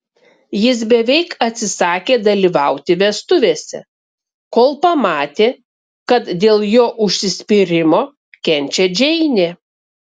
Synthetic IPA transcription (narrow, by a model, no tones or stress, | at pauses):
jɪs̬bʲɛʋʲɛɪkɐt̪ʲsʲɪsɑːkʲeːd̪ɐlʲiːʋɑʊt̪ʲɪʋʲɛst̪ʊʋʲeːsʲɛ̰ | koːlˠpɐmɑːt̪ʲeː | kɐt̪d̪ʲeːlˠjoːʔʊʃʲsʲɪsʲpʲiːɾʲɪmoː | kʲɛnʲˑt͡ʃʲɛd͡ʒʲɛɪnʲeː